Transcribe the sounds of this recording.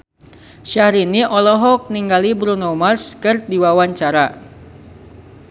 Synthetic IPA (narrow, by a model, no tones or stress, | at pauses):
ʃahɾiniʔɔlɔɦɔk̚niŋɡalibɾunɔmarskɨrdiwawaɲt͡ʃaɾa